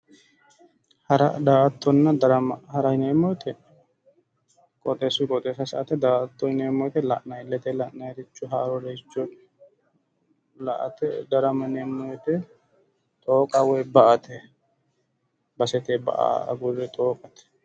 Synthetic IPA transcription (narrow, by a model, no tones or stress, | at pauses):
hɐɾɐd̪aːɐt̪ːɔnːɐd̪ɐɾɐmɐhɐɾɐhɪneːmːɔjt̪ʰɛ | kʼɔt̪ʼesʊkʼɔt̪ʼeːsɐsɐʔɐt̪ɛd̪aːʔt̪ːɔɪneːmːɔjt̪ɛlɐʔnɐjɪlːɛt̪ɛlɐʔnɐɛɾɪt͡ʃːʊɦaːɾɔdɐɪt͡ʃːʊ | lɐʔɐt̪ɛd̪ɐɾɐmɐneːmːɔjt̪ɛ | t̪ʼoːkʼɐwɛjbɐʔɐt̪ɛ | bɐsɛt̪ebɐ̰ʔa̰ːɐ̰ɡʊzɛt̪ʼoːkʼɐt̪ɛ̥